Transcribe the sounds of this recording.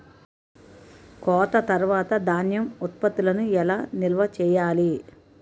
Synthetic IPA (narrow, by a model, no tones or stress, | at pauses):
kɔːt̪ɐt̪ɐɾʋaːt̪ɐd̪aːnjɐmut̪̚pɐt̪ːilɐnuɛlaːnilʋɐt͡ʃɛːjaːli